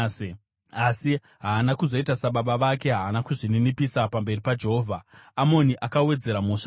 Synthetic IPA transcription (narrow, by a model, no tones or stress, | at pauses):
asi | ɦaːnakuzo̞itasaɓaɓaʋake̞ɦaːnakuʐininipisapambe̞ripad͡ʒe̞ɦoːvʱaːmo̞niʔakawe̞d͡ze̞ɾamuːʂa